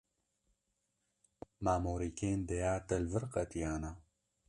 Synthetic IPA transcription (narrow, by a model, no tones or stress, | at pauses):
maːmoːɾikeːnd̪ejaːt̪ɐlvɨɾqɐt̪ijaːna